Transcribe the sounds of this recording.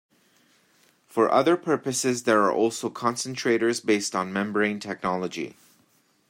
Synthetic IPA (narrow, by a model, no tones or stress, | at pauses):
fə˞ʔʌ̰ðəɹpʰɜ˞pɨsɪzðə˞aɹʔɔlˠsoʊkʰɑ̃nsə̃ntʰɹ̥eɪɾə˞zbeɪstn̩mɛ̃mbəɹẽɪ̃ntʰɛk̚nɑlˠəd͡ʒḭ